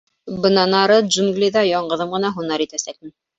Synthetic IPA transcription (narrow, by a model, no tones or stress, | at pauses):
bɤ̆nɑnɑɾɤʒuŋɡlʲiðɑjɒɴɢɤ̆ðɤmʁɤ̆nɑɦunɑɾit̪æsæk̚mɘ